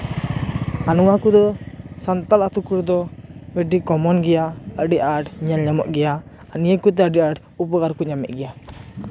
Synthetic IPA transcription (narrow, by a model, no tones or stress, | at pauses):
anuwakud̪ɔsant̪alat̪ukuɾd̪ɔwɛɖikɔmɔnɡɛjaəɖiʔaɖɲalɲamɔ̰ʔɡɛja | anijəkut̪̬ɛəɖiaɖ | upɔɡaɾkuɲamɛ̰ʔ̪̚ˀɡɛja